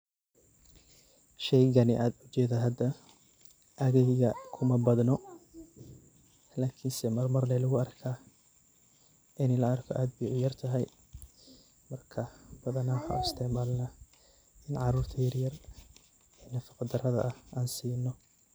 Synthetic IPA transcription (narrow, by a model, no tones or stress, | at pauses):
ʃɛjɣɐnɪʔaːd̪ʊt͡ʃɛːðɐɦɐd̪ɐ | ʔɐɣɛjɣɐkʰʊmɐbɐd̪nɔ | laːkʰɪnsɛmɐrmɐrnɛlʊɣʊɐrkʰaː | ʔɪnɛlɐɐrkʰɔʔaːd̪̚bɪjʕjɐrt̪ʰɐɦɛj | mɐrkʰɐb̥ɐðɐnɐhɐ̰ɪst̪ʰɪʕmaːlnɐ | ɪnʕɑɾuːrt̪ʰɐjɐrjɐr | ɛːnɐfɑqɑd̪ɐrɐðɐ̰ʔɐhʔaːnsiːnːɔ